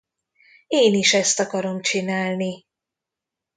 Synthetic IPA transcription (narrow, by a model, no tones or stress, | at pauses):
eːniʃɛst̪ɒkɒɾo̞mt͡ʃinaːlni